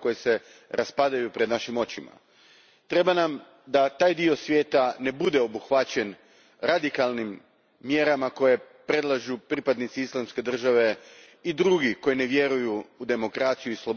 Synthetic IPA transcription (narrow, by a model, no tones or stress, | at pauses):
ko̞jese̞ | ɾʔaspad̪ajupɾed̪naʃimo̞t͡ɕima̰ | t̪ɾe̞banam | d̪at̪aːjd̪io̞sʋje̞ːt̪ane̞bud̪e̞o̞buxʋat͡ɕe̞n | ɾad̪ikalˠnimː | je̞ɾamako̞je̞ | pɾe̞d̪lˠaʒupɾipad̪nit̪siislˠamske̞d̪r̩ʒaʋe̞ | id̪ɾuɡiko̞jine̞ʋje̞ɾujuːd̪e̞mo̞kɾat̪sijuislˠob